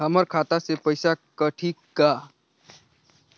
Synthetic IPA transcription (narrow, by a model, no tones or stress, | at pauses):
ɦəməɾkʰat̪asepəɪsakəʈʰikːa